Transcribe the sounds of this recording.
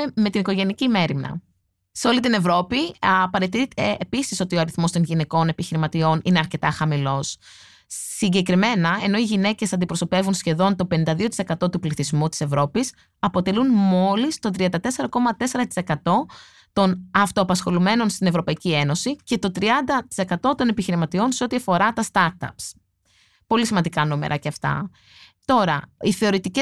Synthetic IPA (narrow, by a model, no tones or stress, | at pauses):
me̞t̪iniko̞ʝe̞nicime̞ɾimnɐ̰ | se̞o̞lit̪ine̞vɾo̞pipɐɾe̞t̪it̪eːpisiso̞t̪ioɐɾiθmo̞st̪o̞nʝine̞ko̞ne̞piçiɾimɐt̪io̞nine̞ɐɾce̞t̪ɐxɐmilo̞s | siɲɟe̞kɾime̞nɐe̞no̞iʝine̞ce̞sɐnd̪ipɾo̞so̞pe̞vunsçe̞ðo̞nt̪o̞pe̞nind̪ɐðio̞t̪i̥se̞kɐt̪o̞t̪upliθizmut̪i̥se̞vɾo̞pis | ɐpo̞t̪e̞lunmo̞list̪o̞t̪ɾiɐnd̪ɐt̪e̞se̞ɾɐko̞mɐt̪e̞se̞ɾɐt̪i̥se̞kɐt̪o̞ | t̪o̞nɐft̪o̞ɐpɐsxo̞lume̞no̞nst̪ine̞vɾo̞pɐicie̞no̞sice̞t̪o̞t̪ɾiɐnd̪ɐt̪i̥se̞kɐt̪o̞t̪o̞nepiçiɾimɐt̪io̞nseo̞t̪iɐfo̞ɾɐt̪ɐst̪ɐɾt̪ɐ̰ps | po̞lisimɐnd̪ikɐnumḛɾɐceɐft̪ɐ̰ | t̪o̞ɾɐiθe̞o̞ɾit̪ice